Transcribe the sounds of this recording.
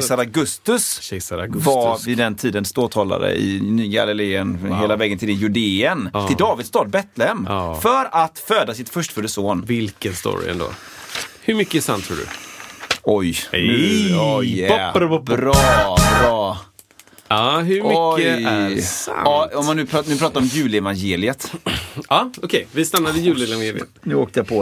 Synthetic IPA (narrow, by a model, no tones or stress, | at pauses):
saɾaɡɵst̪ɵsɛsaɾaɡvavɪd̪ɛnt̪ʰiːd̪ənst̪oːt̪ʰɑːla̰d̪ə̰ɪ̰nyːɡa̰lɪleːənɦeːlavɛːɡənt̪ʰɪlɪjʉd̪eːənʰɪld̪ɑːvɪd̪st̪ɑːd̪̚bɛt̪lɛhɛmfœɾat̪føːd̪asɪt̪fœʂʈfɵd̪əsoːnvɪlkənst̪ṵːɾɪ̰ɛ̰nd̪o̰ː | hɵɾmʏkːəæsa̰nt̪ʰːɾṵːɖɵ̰ | ɔj | ɔɾɔɾɑɑː | ɑɦʉmɔəæsa̰ɑɔmːanːʉ̟ːpʰɾɑtnʉ̟ːpɾɑːt̪aɾɔmjʉ̟ːlɛvanjeːlɪət̪ɑːɔkʰɛjvɪst̪anːad̪ɪjʉːlɛajeːlə̰t̪nʉ̟ːoːkt̪əjapʰɔ